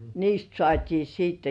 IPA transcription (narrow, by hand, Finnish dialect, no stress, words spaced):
niːst sŏɑˑtʲiː siːtːe